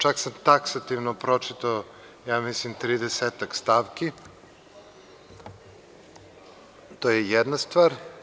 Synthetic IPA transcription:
t͡ʃaksamt̪aksat̪iʋnopɾot͡ʃit̪ao | jaːmislimt̪ɾid̪eseːt̪akst̪aːʋki | t̪ojejɛd̪nast̪ʋaːɾ

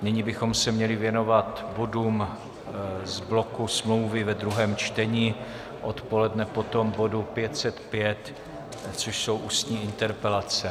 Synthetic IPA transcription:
nɪɲibɪxo̞msɛmɲɛlɪvjɛno̞vat̪bo̞duːm | zblo̞kusmlowvɪvɛd̪ɾuɦɛːmt͡ʃt̪ɛɲiː | ʔo̞t̪po̞lɛdnɛpo̞t̪o̞mbo̞dupjɛt̪sɛt̪pjɛt̪ | t͡soʃso̞wʔuːst̪ɲiːʔɪnt̪ɛɾpɛlat͡sɛ

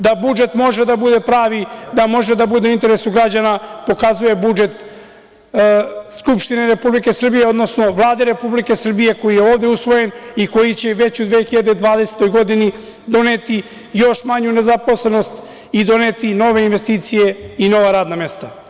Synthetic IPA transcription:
d̪abud͡ʒe̞t̪mo̞ʒe̞d̪abud̪e̞pɾaːʋid̪amo̞ʒe̞d̪abud̪euint̪e̞ɾesuɡɾad͡ʑanapo̞kazuje̞bud͡ʒe̞t̪ | skupʃt̪ine̞ɾe̞publike̞sr̩bijeo̞d̪no̞sno̞ʋlˠaːd̪eɾe̞publike̞sr̩bije̞ko̞jijeoːʋd̪eusʋo̞je̞niko̞jit͡ɕe̞ʋe̞t͡ɕud̪ʋexiʎad̪ed̪ʋaːd̪e̞set̪o̞jɡo̞d̪ini | d̪o̞net̪i | jo̞ʃmaɲune̞zapo̞sle̞no̞st̪ | id̪o̞net̪ino̞ʋe̞inʋe̞st̪iːt̪sije̞ino̞ʋaɾaːd̪name̞st̪a

